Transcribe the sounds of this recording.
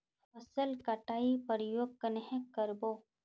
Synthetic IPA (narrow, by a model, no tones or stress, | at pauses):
fəsəlkɐʈaːipəɾjoːɡ̚kənəɦẽkːəɾboː